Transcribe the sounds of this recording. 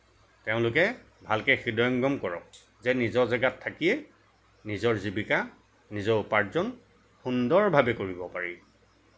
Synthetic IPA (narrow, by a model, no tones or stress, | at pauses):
teʊ̃lʊkɛ | bʱalkɛxidɔjɔŋɡɔmkɔɹɔk | zɛnizɔzaɡatʰːakijɛ | nizɔɹzibika | nizɔupaɹzɔn | xundɔɹbʱabɛkoɹibɔpaɹi